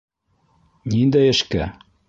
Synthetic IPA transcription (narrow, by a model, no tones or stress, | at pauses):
nind̪æjɘ̆ʃkæ̰